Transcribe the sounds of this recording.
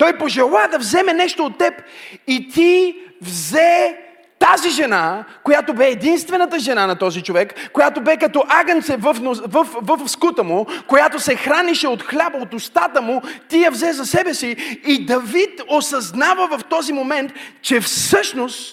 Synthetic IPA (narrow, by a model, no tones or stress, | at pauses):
t̪ɔjpoʒɛlˠad̪ɐvzɛmɛnɛʃt̪oːt̪ːɛpit̪ivzɛ | t̪aziʒɛnakojat̪obɛːd̪inst̪vɛnət̪əʒɛnanɐt̪ɔzit͡ʃovɛkːojat̪obɛkɐt̪ɔʔaɡɐnt̪sɛvəfnovəfvəfskut̪əmukojat̪osɛxɾaniʃɛot̪xlʲabəot̪ʊst̪at̪əmut̪ijɐvzɛzɐsɛbɛsiːd̪ɐvit̪osɐznavəvɐft̪ɔzimomɛnt̪t͡ʃɛfsɤʃnost̪